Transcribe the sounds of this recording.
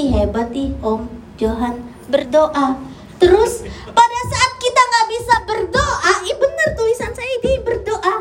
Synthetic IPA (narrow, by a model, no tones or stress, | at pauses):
iɦebat̪iʔɔm | d͡ʒoɦan | bərdoʔa | t̪əɾʊspadasaʔːt̪̚kit̪aŋɡaʔbisabərdoʔaibənərt̪ulisansajaidibərdoʔa